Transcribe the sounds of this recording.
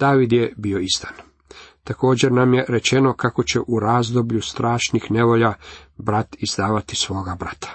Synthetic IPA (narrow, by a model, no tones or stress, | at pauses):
d̪̥aːʋid̪jebio̞ist̪ḁn | t̪ako̞ːd͡ʑe̞ɾnamje̞ɾe̞t͡ɕe̞no̞kako̞t͡ɕe̞ʔuɾaːzd̪o̞bʎust̪ɾaːʃnixne̞ʋo̞ʎabɾat̪izd̪aːʋat̪isʋo̞ːɡabɾat̪ḁ